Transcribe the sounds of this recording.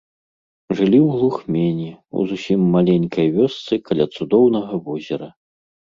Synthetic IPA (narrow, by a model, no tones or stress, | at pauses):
ʐɨlʲiwɣlˠuxmʲenʲiṵzusʲimːalʲenʲkɐjvʲɔst̪sɨkʰalʲat̪sud̪ɔwnɐɣɐvɔzʲɛɾɐ